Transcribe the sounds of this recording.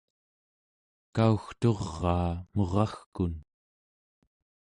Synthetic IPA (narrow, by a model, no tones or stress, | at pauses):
kauxt̪o̞ʁːɑːmo̞ʁɑxkun